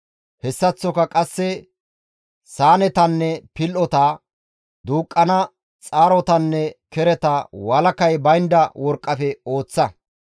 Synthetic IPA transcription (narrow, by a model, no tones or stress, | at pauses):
hɛsːɐt͡sːɔkɐkʼɐsːɛ | saːnɛt̪ɐnːɛpɪlʔɔt̪aː | d̪uːkʼːɐnɐ | t͡sʼaːɾɔt̪ɐnːɛkɛɾɛt̪ɐwɐlɐkɐjbɐjnd̪ɐwɔɾkʼːɐfɛo̞ːt͡sːɐ